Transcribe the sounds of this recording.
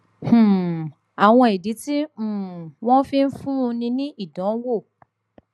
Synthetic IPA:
hũ˨ | a˨w̃ɔ̃˧i˨di˨˦tĩ˦˨w̃ɔ̃˦fi˧n̩˦fũ˦˧nĩ˧nĩ˦i˦˨dɔ̃˨˦wo˦˨

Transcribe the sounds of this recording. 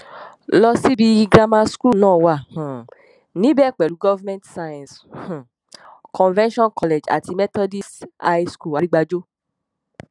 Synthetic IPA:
lɔ˧si˦bi˧ɡɾa˧ma˧sku˦˨nãː˦˨wa˨h̩˨ | nĩ˨˦bɛ˦˨k͡pɛ˨lu˨˦ɡɔ˦va˦mɛ̃˦ntsa˧jã˨s̩˨ | kʰɔ̃˨nvɛ̃˦nʃɔ̃˦nkɔ˧le˨d͡ʒa̰˨ti˧mɛ˦tɔ˦di˦sa˧ji˦sku˦˨a˨ɾi˦ɡ͡ba˧d͡ʒo˦

